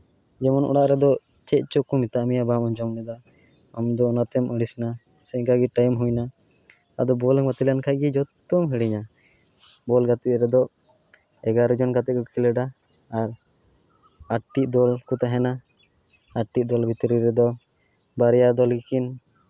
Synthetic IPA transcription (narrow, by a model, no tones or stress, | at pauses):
d͡ʒɛmɔnʔɔ̰ɽaʔɾɛd̪ɔ | t͡ʃɛʔ̚ˀt͡ʃɔkumit̪aʔmijabamɔɲd͡ʒɔmnɛd̪aː | md̪ɔːnat̪ɛmʔəɽisna | sɛkaɡiʈajmɦujna | a̰d̪ɔbɔlɔŋmat̪ilankʰajɡid͡ʒɔt̪ɔmɦəɽiɲa | bɔlɡat̪it̪̚ɾɛd̪ɔ | ɛɡaɾud͡ʒɔnkat̪ɛkukilɛɖaː | ɾ | aʈːiʔ̚d̪ɔlkut̪aɦɛna | aʈːiʔ̚d̪ɔlbʱit̪əɾiɾɛd̪ɔ | baɾɛjad̪ɔlɡikin